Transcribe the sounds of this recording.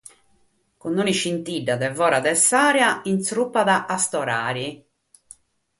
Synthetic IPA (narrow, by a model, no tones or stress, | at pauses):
kunːoniʃint̪iɖːaðɛvɔːɾaðɛsːaːɾjaint̪sɾupːaðaʔːst̪ɔɾa̰ːɾi